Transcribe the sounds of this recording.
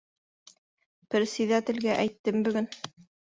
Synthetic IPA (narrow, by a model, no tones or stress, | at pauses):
pɘ̆ɾsiðæt̪ɘ̆lɡæʔæjt̪ːɘmbɵ̆ɡɵn